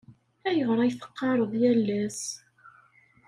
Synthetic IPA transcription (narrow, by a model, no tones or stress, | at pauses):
æjəʁɾˤɑjθə̥qːɑɾˤəðˤjælːæs